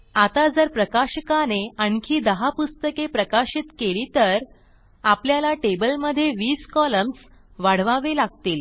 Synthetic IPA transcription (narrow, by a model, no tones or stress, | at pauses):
at̪ad͡zəɾpɾəkaɕəkaneəɳkʰiːd̪əɦapust̪əkepɾəkaɕit̪keliːt̪əɾ | apljalaʈebəlməd̪ʱːjeʋiːskɔləms | ʋaɽ̤ʋaʋelaɡ̚t̪iːl